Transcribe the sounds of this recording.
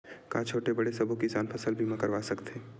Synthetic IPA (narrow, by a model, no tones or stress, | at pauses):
kãːt͡ʃʰoːʈebɐɽesɐbʱukisaːnpʰəsəlbʱimãkəɾʋasɐkt̪eː